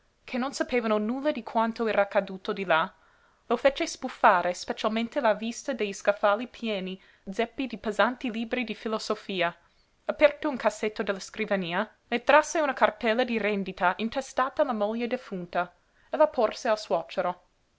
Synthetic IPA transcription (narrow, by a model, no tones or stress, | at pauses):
kʰenːonsapeːvanonulːad̪ikʰwant̪oɛːɾaːkad̪uːt̪od̪ila | lofet͡ʃespufːaːɾʔespet͡ʃalmẽnt̪elavist̪ad̪ejiskafalipʰjɛːni | d̪zɛpːid̪ipezant̪iliːbɾid̪ifilosofiːa | apɛrt̪ouŋkasːet̪ːod̪ɛlːaskɾivaniːa | net̪ɾasːeunakart̪ɛlːad̪iɾɛnd̪it̪aʔint̪ɛst̪aːt̪alamoʎːed̪efunt̪a | elapʰorsealswɔt͡ʃeɾo